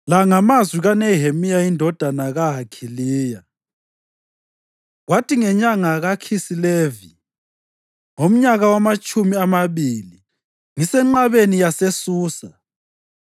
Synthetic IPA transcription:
laŋamazwiɣanɛɦemijaindʱɔd̥ʱanaɣaɦakʰiliːja | ɣwatʰʼiŋɛɲaŋaɣakʰisilevi | ŋom̩ɲaɣawamat͡ʃʼumiamaβili | ŋisɛŋ͡ǃaβenijasesuːsa

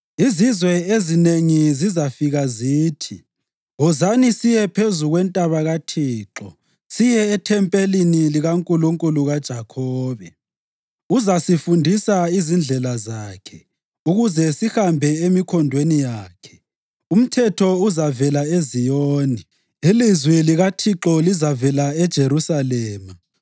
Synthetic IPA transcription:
izizwɛezineŋizizafiɣaziːtʰi | ɔzanisijɛpʰezuɣwɛntʼaβaɣatʰiːǁɔ | sijɛːtʰɛmpʼeliniliɣaŋkʼuluŋkʼuluɣad̥ʒ̥ʱakʰɔːβɛ | uzasifundʱisaizind͡ɮʱɛlazaːkʰɛ | uɣuzɛsihambʱɛemikʰɔndʱwenijaːkʰɛ̥ | um̩tʰɛtʰɔuzavɛlaezijoːni | ilizwiliɣatʰiǁɔlizavɛlaɛd̥ʒ̥ʱeɾusalɛːma

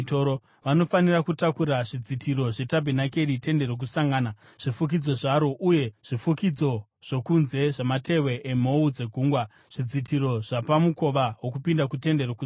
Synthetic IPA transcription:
toɾo | ʋano̞fanirakutakuɾaʐid͡zitiɾo̞ʐe̞tabʱinake̞ɾite̞nde̞ɾok̬usaŋɡaːna | ʐ̥ifuk̬id͡zo̞ʐaɾo̞ʔuje̞ʐ̥ifukid͡zo̞ | ʐ̥o̞kunze̞ʐamate̞we̞ʔem̤o̞ud͡ze̞ɡʱuːŋɡwa | ʐ̥id͡zitʰiɾo̞ʐ̥apamuko̞ʋawo̞kupindakute̞nde̞roku

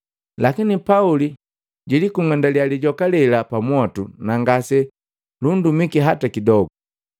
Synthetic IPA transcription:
lakinipauli | ɟilikuŋandaljaliɟɔkalɛlapamwatunaŋɡasɛ | lundumikiɦatakidɔɡu

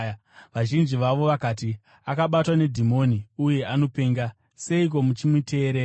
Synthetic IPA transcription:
ʋaʒind͡ʒiʋaʋo̞ʋakaːt̬i | akaɓatwane̞dʱimo̞niuje̞ʔano̞pe̞ːŋɡa | se̞ik̬o̞mut͡ʃimutʰe̞ːɾe

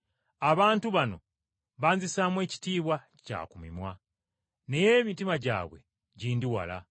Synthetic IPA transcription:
aβaːntuβano̞̰ | βaːnzisaːmwe̞ːci̥tiːβwa | ca̰ːkumimwa | ne̞jeːmitimaɟa̰ːβwe̞̰ | ɟiːndiwa̰la̰

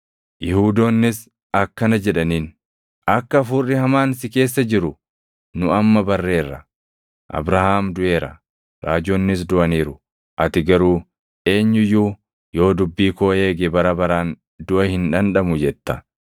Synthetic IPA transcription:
jɪhuːd̪oːnːɪs | ɐkːɐnɐd͡ʒɛᶑɐniːn | ɐkːɐːfuːrːɪhɐmaːnsɪke̞ːs̬ːɐd͡ʒɪɾʊ | nʊɐmːɐbɐrːe̞ːrːɐ | ʔɐ̰bɾɐhaːmd̪ʊʔe̞ːɾɐ̰ | ɾaːd͡ʒoːnːɪs̬d̪ʊʔɐniːɾʊ | ʔɐt̪ɪɡɐɾuː | ʔe̞ːɲːʊjuː | jo̞ːd̪ʊbːiːkoːhe̞ːɡebɐɾɐbɐɾaːn | d̪ʊʔɐhɪnᶑɐnᶑɐmʊd͡ʒɛt̪ːɐ

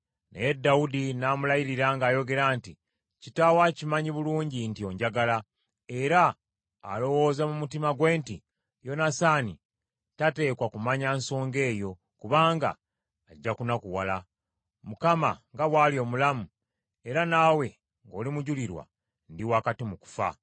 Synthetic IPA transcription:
nḛjedːaudinamulajiɾiɾaːŋɡaːjo̞ɡe̞ɾaːnti | citawacimaɲiβuluːɲɟintio̞ɲɟaɡala | e̞ɾa̰ː | lo̞wo̞ːzamumutimaɡwe̞ːnti | jo̞nasani | tate̞ːkwakumaɲaːnso̞ːŋɡe̞ːjo̞ | kuβaːŋɡa̰ː | ɟːakunakuwala | mukama̰ŋɡaβwaːlio̞mulamu | e̞ɾanaːwe̞ | ŋɡo̞ːlimuɟuliɾwa̰ | ndiwakatimuku̥fa̰

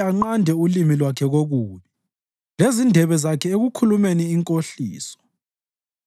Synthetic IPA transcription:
aŋ͡ǃandʱɛulimilwakʰɛɣoɣuːβi | lezindʱɛβɛzakʰɛeɣukʰulumeniːŋkʼoɬiːsɔ̥

